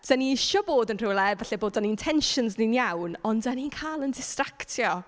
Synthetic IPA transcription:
d̥aniiʃɔboːdənr̥ɪlˠɛvaɬɛboːdaniɪntʰɛnʃənznɪnjawnɔndaniːnkʰaːlˠəndɪstraktʰjɔ

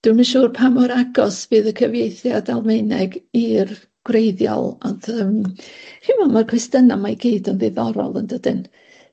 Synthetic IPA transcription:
d̥wənmanʃuːrpʰamɔɾaɡɔsb̥ɨːðəkʰəvjejθjadalˠmejnɛɡir | ɡ̥wrejðjɔ̰lˠɔndəmhɪmɔnmarkʰwɪstənamajɡiːdənvɪðɔɾɔ̰lˠəndədɪn

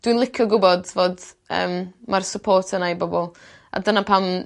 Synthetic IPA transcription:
d̥winlˠɪkʰɔɡʊbɔdvoːd | ə̰ːmmarsəpʰoːrtʰənajbɔbɔlˠ | a̰dənapʰam

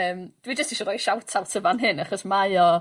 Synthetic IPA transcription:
əːmd̥wid͡ʒəstiʃɔɾɔjʃawtʰawtʰəvanɦɨnaχɔsmaɨɔ

